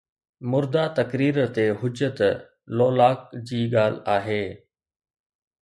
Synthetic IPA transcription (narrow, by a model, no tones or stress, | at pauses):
mʊɾd̪at̪ɐkɾiːɾt̪eɦʊd͡ʑət̪ | loːlaːk̚d͡ʑiːɠaːl̤aːɦeː